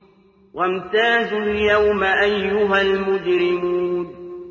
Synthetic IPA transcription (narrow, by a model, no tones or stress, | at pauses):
wamt̪aːzʊljawmaʔajːʊɦalmʊd͡ʒɾɪmuːn